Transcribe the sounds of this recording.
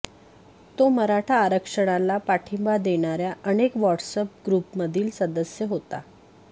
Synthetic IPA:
t̪oməɾaʈʰaːɾəkʂəɽ̃alapaʈʰimbad̪eɽ̃aɾjaʔənekʋɔʈsəp̚ɡɾupməd̪ʱiːlsəd̪əsjəɦot̪a̰

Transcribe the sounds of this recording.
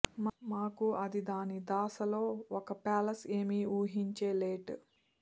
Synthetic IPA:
mmaːkuɐd̪id̪aːnid̪aːsɐlo̞ːɔkɐpaːlɐseːmiuːɦiɲt͡ʃeːleːʈ

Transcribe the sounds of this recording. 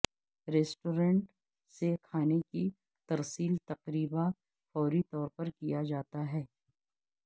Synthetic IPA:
ɾeːsʈoːɾẽɳʈ | sekʰaːneki | t̪ɐɾsiːlt̪ɐqɾiːba | fɔːɾit̪ɔːɾpɐɾkijad͡ʒaːt̪aɦɛː

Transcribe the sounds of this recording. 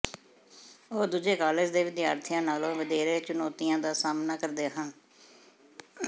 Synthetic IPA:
oːd̪uːd͡ʒeːkaːləd͡ʒd̪eːʋɪd̪ja̰ːɾt̪ʰɪjãːnaːlõːʋəd̪eːɾeːt͡ʃʊnoːt̪ijãːd̪aːsaːmnaːkəɾd̪eːɦən

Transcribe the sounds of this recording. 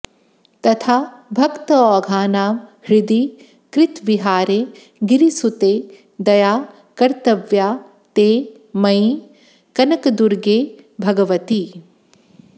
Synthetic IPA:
t̪ɐt̪ʰaːbʱɐkt̪ɐɔːɡʱaːnaːmhɾɪd̪i | kɾɪt̪ʋiɦaːɾe | ɡiɾisut̪eː | d̪ɐjaː | kɐɾt̪ɐʋjaː | t̪eː | mɐi | kɐnɐkɐd̪uɾɡeːbʱɐɡɐʋɐt̪i

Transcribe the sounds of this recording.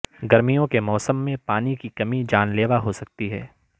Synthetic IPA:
ɡɐɾmijõkemɔːsəmːẽpaːnikikɐmid͡ʒaːnleːʋaɦosɐk̚t̪iɦɛː

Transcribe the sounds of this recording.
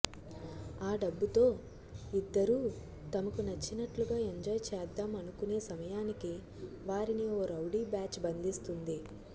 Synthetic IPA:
aːɖɐbːut̪o̞ː | id̪ːɐɾuː | t̪ɐmɐkunɐt͡ʃːinɐʈluɡaːe̞ɲd͡ʒɔːjt͡ʃɛːd̪ːaːmɐnukune̞ːsɐmɐjaːniki | ʋaːɾinioːɾɐwɖiːbaːt͡ʃbɐnd̪ist̪und̪i

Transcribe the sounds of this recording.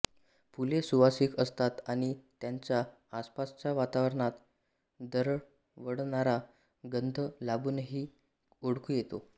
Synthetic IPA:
pulesuʋasiːkəst̪at̪aɽ̃it̪jaɲt͡ɕjaː | spast͡ɕjaʋat̪aʋəɾɳat̪ | d̪əɾɭ | ʋəɽɳaɾa | ɡənd̪ʱəlabunɦiː | oɽkujet̪o

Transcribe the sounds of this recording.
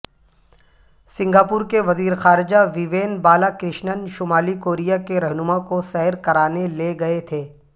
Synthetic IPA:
sɪ̃ŋɡaːpʊːɾkeʋɐziːɾxaːɾɪd͡ʒaʋiːʋeːnbaːlakɾɪʃnənʃʊmaːlikoːɾijakeɾɛɦnʊmakosɛɦɾkɐɾaːneleɡɐet̪ʰeː

